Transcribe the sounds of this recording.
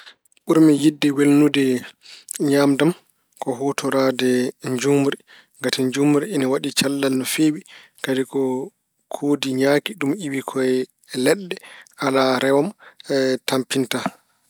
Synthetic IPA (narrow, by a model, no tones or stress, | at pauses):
ɓuɾmijidːɛwelnudɛ | ɲaːmdam | kɔɦɔtɔɾaːdɛɲd͡ʒumɾi | ŋɡatiɲd͡ʒumɾiːnawaɗit͡ʃalːalnɔfeːwi | kadikɔ | kʰoːdiɲaːkiɗumiwikʰɔɛ | lɛɗːɛalaɾɛwam | tampinta